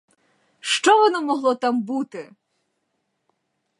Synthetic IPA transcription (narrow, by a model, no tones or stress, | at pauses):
ʃt͡ʃɔʋɔnɔmɔɦlˠɔt̪ɑmbut̪ɪ